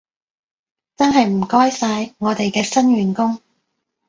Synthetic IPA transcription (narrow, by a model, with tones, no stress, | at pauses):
t͡sɐ˥nɦɐ˨jm̩˨˩kɔː˥jsaː˧jŋɔː˨˧t̪e˨jkɛː˧sɐ˥nɥyː˨˩nkʊ˥ŋ